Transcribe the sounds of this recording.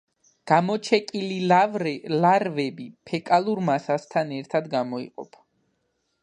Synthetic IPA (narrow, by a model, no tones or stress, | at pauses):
ɡ̥amɔt͡ʃʰɛkʼili | laɾvɛbipʰɛkʼalˠuɾmasast̪ʰanɛɾt̪ʰad̪ɡamɔḭqʼɔ̰pʰ